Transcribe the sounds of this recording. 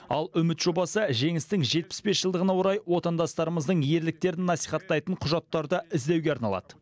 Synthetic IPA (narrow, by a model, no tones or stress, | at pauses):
ɑlˠʏmɪt̪ʒ̥o̞bɑsəʒe̞ŋɪst̪ɪŋʒe̞t̪̚pɪ̥sbe̞sʒəlˠd̪əʁənɑwoɾɑjwo̞t̪ɑnd̪ɑst̪ɑɾəməzd̪əɴje̞ɾlɪk̚t̪e̞ɾɪnːɑsijχɑt̪ːɑjt̪əɴqʰʊʒɑt̪ːɑɾd̪əʔɪzd̪e̞wɡʲe̞ɑɾnɑlˠɑ̰d̪ə